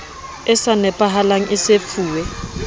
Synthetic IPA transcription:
ɪsanɛpʼaɦalaŋ̩ʔɪsefʰuːwɛ

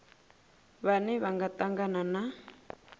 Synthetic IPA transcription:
βanɛβaŋɡat̪ʼaŋɡanana

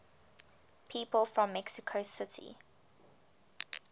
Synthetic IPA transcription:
pʰiːpəlˠfɹɔ̃mːɛksɪkʰosɪtʰḭ

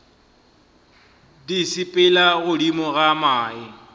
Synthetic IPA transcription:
disɪpʼɪlaɣʊdimɔɣamaːɪ

